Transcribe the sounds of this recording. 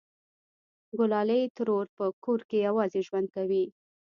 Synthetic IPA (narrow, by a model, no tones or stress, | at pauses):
ɡʊlɑlejt̪əɾoɾpəkoɾkejawɑzeʒwand̪̚kawi